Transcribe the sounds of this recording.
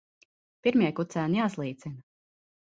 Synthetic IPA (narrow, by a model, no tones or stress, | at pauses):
piɾmʲjiɛkut̪sæːnijaːslˠiːt̪sin